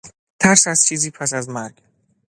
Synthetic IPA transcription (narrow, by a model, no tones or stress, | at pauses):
t̪ʰæɾsæz̥t͡ʃʰiːziːpʰæsæzmæɾɡ̥